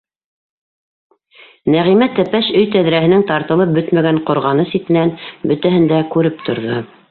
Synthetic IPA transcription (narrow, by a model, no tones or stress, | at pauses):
næʁimæt̪æpæʃɵjt̪æðɾæɦɘ̆nɘŋt̪ɑɾt̪ɤ̆lˠɤp̚bɵt̪mæɡæɴqŏɾʁɑnɤsit̪ɘ̆nænbɵ̆t̪æɦɘ̆nd̪ækʉɾɘp̚t̪ʰŏɾðo